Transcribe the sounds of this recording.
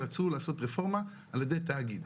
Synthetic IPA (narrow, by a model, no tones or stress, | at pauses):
at͡sulaːso̞t̪ʁefo̞ʁma | aljed̪ejt̪aːɡid̪